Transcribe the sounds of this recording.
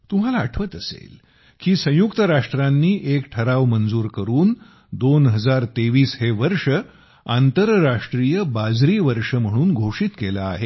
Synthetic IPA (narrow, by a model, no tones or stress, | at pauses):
t̪um̤alaːʈʰʋət̪əsḛl | kiːsə̃jukt̪əɾaʂʈɾanːiːʔekʈʰəɾaʋmənd͡zuːɾkəɾuːn | d̪onɦəd͡zaɾt̪eʋiːsɦeʋəɾʂə | ant̪əɾɾaʂʈɾijəbad͡zɾiːʋəɾʂəm̤əɽ̃uːnɡʱoʂiːt̪kela̰ːɦe